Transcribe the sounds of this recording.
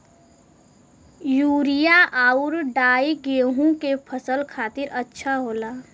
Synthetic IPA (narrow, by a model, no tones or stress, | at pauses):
juːɾijaʔaːʊɾɖaːiɡeːɦũkepʰəsəlkʰaːt̪ɪɾʔətːʃʰaɦoːlaː